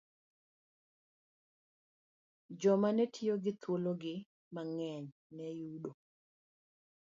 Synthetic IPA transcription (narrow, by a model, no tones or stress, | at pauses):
d͡ʒɔmanɛtʰioɡɪt̪ʰwoloɡɪ | maŋɛɲnɛjuɗo